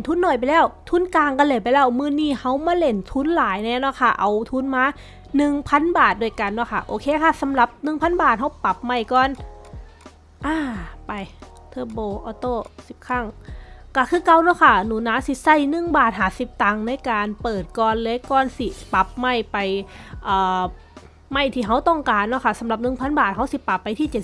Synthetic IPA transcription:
nt̪ʰuː˧˥˨nːɔ˨˩jp̬a˨jlɛː˧˥˩wt̪ʰuː˧˥˨nkaː˧ŋka˧˨leː˧˩jp̬a˨jlɛː˧˩wmɯː˧˨niː˧˩ha˧˥wmaː˧˥˨le˧˩nt̪ʰuː˧˥˨nlaː˨˦jnɛː˧˨nɔ˧˥˨kʰa˧˩ʔa˨˩wt̪ʰuː˧˥˨nmaː˧˥˨ | nɯ˨˧ŋpʰa˧˥˨nbaː˨˩t̪̚du˧əjka˨nːɔ˧˩kʰa˧˩ʔoː˧kʰeː˧˨kʰa˧˥˩sa˨˦mla˧˦p̚nɯ˨˧˨ŋpʰa˧˥˨nbaː˨˩t̪̚ɦa˧˥wpa˧˦p̚ma˧˩jkɔː˧˨n | ʔaː˧˩pa˨j | t̪ʰɤː˧˩bɔː˧˩ʔɔː˧˦t̪oː˧˥˩si˨˩p̚kʰa˧˥˩ŋka˧˩kʰɯː˧˥˩ka˧wnɔ˧˥˨kʰa˧˥˩nuː˨˩˦naː˧˥si˧˦sa˧˩jnɯ˧˩ŋbaː˨˩t̪̚ɦaː˨˦si˨˧˦p̚t̪a˧ŋna˧˥˨jkaː˨˧npɤː˨˩t̪̚kɔː˧nlɤː˧˦kɔː˧˩nsi˧˩pa˧˦p̚ma˧˥˩jpa˧jʔɤː˨˩ | ma˧˩jt̪ʰiː˧˩ɦa˧˥˩wt̪ɔ˧˩ŋkaː˨nːɔ˧˥˩kʰa˧˥˩sa˨˦mla˨˩˦p̚nɯ˨˩ŋpʰa˧˥nbaː˨˩t̪̚ha˧˥wsi˧˦pa˨˩pːa˧jt̪ʰiː˧˥˩t͡ɕt̪̚

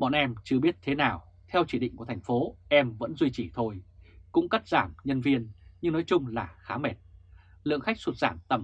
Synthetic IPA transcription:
ɓɔ̰˧˨nʔɛ˧mt͡ɕɨ˧əɓi˦˥ət̚t̪ʰe˨˦naː˨˩w | t̪ʰɛ˧wt͡ɕi˧˩ɗḭ˧˨ŋku˧˩ət̪ʰŋ̟fo˨˦ʔɛ˧mvə̰˧˥nzwi˧t͡ɕi˧˩t̪ʰo˧jkʊ̰˧˥ŋ͡mka˦˥t̚z̥aː˧˩mɲə˧nvi˧ənɲɨ˧ŋnɔ˨˦jt͡ɕʊ˧ŋ͡mlaː˨˩xaː˨˦mɛ˨˩t̚ | lɨ̰˧˨əŋxa˦˥k̟̚swu˨˩t̚z̥aː˧˩nt̪ə˨˧˩m

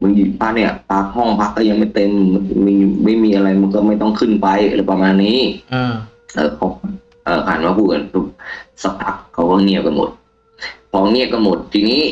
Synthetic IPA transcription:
mɯ˧˥˦ji˧˩pʰaː˧˥k̚ni˧˩ɐpʰa˦˧˥k̚hɔ˥˩ŋpʰa˧˥kːɔ˧˩ja˧ŋma˥˩jt̪e˧mːɯ˧˥˦nm˧˩ma˥˩jmiː˧ʔa˧ɾa˧jma˧nkɔː˧˥˩ma˥˩jt̪ɔ˥˩ŋkʰɯ˧˩npa˧jlɛ˧˩pa˧maː˧nːiː˦˥˨ | ʔɤː˨˩pʰɔ˧˥˧ | ʔɤː˨˩kʰaː˨˩˦nmaː˧kʰuː˧˩ʔa˨˩nt̪ʰu˧˩k̚sa˧pʰa˧˥k̚kʰːa˧˩wkɔː˧˩ŋi˧˩əp̚pa˧˩mo̰˨˦t̪̚ | pʰɔː˧˦ŋi˧˩˨əp̚kɔ˧˩mo˨˩˦t̪̚t̪ʰiː˧niː˥˩˨

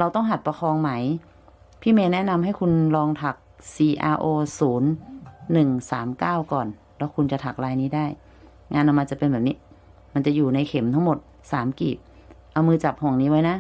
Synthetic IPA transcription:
ɾa˧wt̪ɔ˥˩ŋɦa˨˩t̪̚pa˧xʰɔː˧ŋma˦˥j | pʰiː˥˩meː˧nɛ˦˥˨na˧mɦa˥˩jkʰu˧nlɔː˧ŋt̪ʰa˨˩k̚siː˧˩ʔaː˧ʔoː˧suː˩˦nːɯ˨˩ŋsaː˩˦mkaː˥˩wkɔː˨˩n | lɛː˦˥wkʰu˧nt͡ɕa˨˩t̪ʰa˨˩k̚ɾaː˧jniː˦˥˩daː˥˩j | ŋaː˧nʔa˧wmaː˧t͡ɕa˨˩pe˧nbɛː˨˩p̚niː˦˥ | ma˧nt͡ɕa˨˩ʔjuː˨˩na˧jkʰe˩˦mt̪ʰa˧˥˩ŋmo˨˩t̪̚ | saː˩˦mkiː˨˩p̚ | ʔa˧wmɯː˧t͡ɕa˨˩p̚hɔ˨˩ŋniː˦˥˩wa˦˥jna˦˥

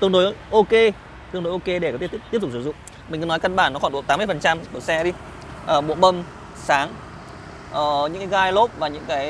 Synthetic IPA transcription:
t̪ɨ˧ənɗo˨˦jjʔo˧ke˧ | t̪ɨ˧əŋno˨˦jʔo˧ke˧ɗe˧˩kɔ˨˦t̪t̪i˦˥ət̪ʊ˨˩sɨ˧˩zʊ̰˧˨ŋ͡m | mi̟˨˩kɨ˨˦nɔ˨˦jkə˧nɓaː˧˩nːɔ˨˦xwɗṵ˨˧˨t̪aː˦mɨ˧əjfə˨˩nt͡ɕa˧mu˧˩sɛ˧ɗi˧ | ʔəː˨˩ɓṵ˧˨mə˧m | saː˨˦ŋ | ʔəː˨˩ɲɨ̰˧˥kaː˨˦ɣaː˧jlo˦˥p̚vaː˨˩ɲɨ̰˧˥ŋkaː˨˦j

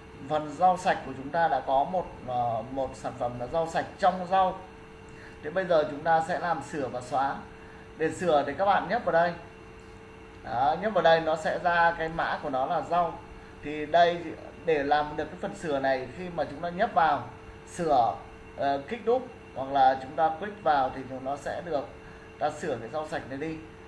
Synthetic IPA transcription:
fə˨˩nza˧wsa˨˩jk̟̚ku˧˩ət͡ɕʊ˨˦ŋ͡mt̪aː˧ɗa̰ː˧˥kɔ˨˦mo˨˩t̚ːmo˨˩t̚saː˧˩nfə˧˩m˨˦za˧wsa˨˩jk̟̚t͡ɕɔ˧wŋ͡mza˧w | t̪ʰe˨˦ɓə˧jzəː˨˩t͡ɕʊ˨˦ŋ͡mt̪aː˧sɛ̰˧˥laː˨˩msɨ˧˩əvaː˨˩wswaː˨˦ | ɗe˧˩sɨ˧˩əɗe˨˩kaː˦˥k̚ɓa̰˧˨nɲə˦˥vaː˨˩ɗə˧j | ʔaː˨˩ɲə˦˥t̚vaː˨˩ɗə˧jnɔ˨˦sɛ̰˧˥zaː˧kaː˨˦jma̰ː˧˥ku˧˩ənɔ˨˦laː˨˩za˧w | t̪ʰi˨˩ɗə˧j | ɗe˧˩laː˨˩mɗɨ˨˩əkːjfə˨˩nsɨ˧˩əna˨˩jxi˧maː˨˩t͡ɕʊ˨˦ŋ͡mt̪aː˧ɲə˦˥p̚vaː˨˩w | sɨ˧˩ə˨˩ | kï˦˥k̟̚ɗʊ˦˥k͡p̚ | hwa˨˩k̚laː˨˩t͡ɕʊ˨˦ŋ͡mt̪aː˧kwi˦˥k̚vaː˨˩wt̪ʰi˨˩˨nɔ˨˦sɛ̰˧˥ɗɨ˨˩ək̚ | t̪aː˧sɨ˧˩əkaː˨˦jza˧wsa˨˩jk̟̚na˨˩jɗi˧

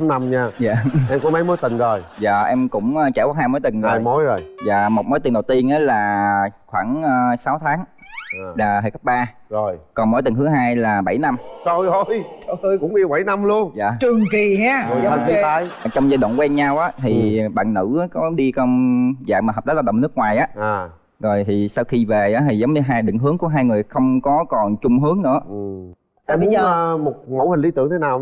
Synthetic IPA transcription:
na˧mɲaː˧za̰ː˧˨ʔɛ˧mkɔ˨˦mə˨˦jmo˨˦jt̪ï˨˩ŋ̟zo˨˩jza̰ː˨˩ʔɛ˧mkʊ̰˧˥ŋ͡mʔəː˧t͡ɕaː˧˩wa˧˦haː˧jmoː˨˦jt̪ï˨˩ŋ̟zɔaː˨˧jmo˨˦jzo˨˩jza̰ː˧˨mo˨˩t̚mo˨˦jt̪i˨˩ŋɗə˨˩wt̪i˧ənʔaː˨˦laː˨˩xwaː˧˩ŋəː˧saː˨˦wt̪ʰaː˨˦ŋː˨˩ | ɗaː˨˩həː˧˨jkə˦˥p̚ɓaː˧ | zo˨˩jkɔ˨˩nmo˨˦jt̪ï˨˩ŋ̟ɦɨ˨˦əɦaː˧jlaː˨˩ɓa˧˩jna˧mt͡ɕo˧jo˧˩jo˧kʊ̰˧˥˦ŋ͡mɗi˧ɓa˧˩˦jna˧mlu˧ənza̰ː˧˨˩t͡ɕɨ˨˩əŋki˨˩aː˨˦˧a˧˩˧a˨˧˦jt͡ɕɔ˧wŋ͡mzaː˧jɗa̰ː˧˨nkwɛ˧nɲa˧wʔaː˨˦t̪ʰi˨˩ɓa̰ː˧˨nnɨ̰˧˥ʔaː˨˦kɔ˨˦ɗi˧kɔ˧wnza̰ː˧˨˩maː˨˩ɦə˨˩ɗaː˨˦˥la˧˩ɗə˧˨ŋ͡mnɨ˦˥ək̚ŋwaː˨˩jʔaː˨˦ʔaː˨˩ | zo˨˩jt̪ʰi˨˩sa˧wxi˧ve˨˩ʔaː˨˦t̪ʰi˨˩zə˨˦wmɲɨ˧ɦaː˧jɗɨ̰˧˨ŋɦɨ˨˦ŋku˧˩əɦaː˧jŋɨ˨˩əjxə˧wŋ͡mkɔ˨˦kɔ˨˩nt͡ɕʊ˧ŋ͡mɦɨ˨˦əŋnɨ̰˧˥ə˨˩ | ʔɛ˧mi˨˦˧mo˨˩t̚mo̰˧˥hi̟˨˩ɗi˧t̪ɨ̰˧˨əŋt̪ʰe˨˦naː˨˩w

